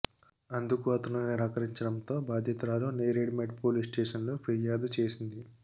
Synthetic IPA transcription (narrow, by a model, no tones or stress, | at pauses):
ɐnd̪ukuɐt̪unɐneɾɐkɐɾiɲt͡ʃɐɽɐnt̪o̞ːbaːd̪ʱjɐt̪uɾaːloːnejɾeːɖmeʈ̚poːliːsʈeːʂɐnloːpʰiɾijaːd̪ut͡ʃeːsind̪i